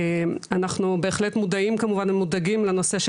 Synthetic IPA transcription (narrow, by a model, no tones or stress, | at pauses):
manaχnube̞ːχletmudaimkamuvanmudaɡimleno̞se̞ʃ